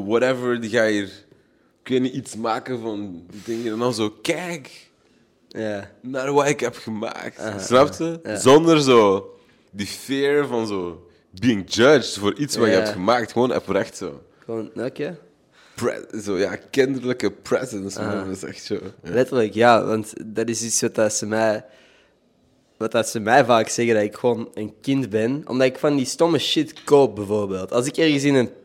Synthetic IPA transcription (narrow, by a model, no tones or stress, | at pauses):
wɔɾɛvəɹdiɣaːjir | kənəʔitsmaːkəvɑndidɪŋjədɛnɔzoːkɛk | janətwaɪkhɛpxəma̰ːktsnap̚tsəzɔndərzoː | difɪːɹvɑnzoː | biːɪŋd͡ʒʌd͡ʒtvoːɾʔitswaːɪkhɛptxəmaːk̚txəwoːnɛ̰pəɾɛxtso̰ː | xəwoːnoke | pɹɛ̰zoːja̰ːkɪndərləkəpɹɛ̰zənsɪsɛ̰xtsoːlɛtərləkjaːʋɑ̰ntdɑtɪsitsʋɑtasəmɛj | ʋɑtatsəmɛjvaːksɛɣədɑtɪkxəʋoːnənkɪndbɛnɔ̰mdɑtɪkfɑndistɔməʃɪtkoːp̚bəvoːrbeːlˠtɑlˠsɪkɛrɣəs̬ɪnən